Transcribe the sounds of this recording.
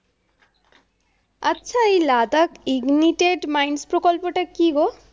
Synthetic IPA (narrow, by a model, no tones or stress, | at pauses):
ətːɕʰaejlad̪akiɡniʈeɖmajnspɾokɔlpɔʈakiɡo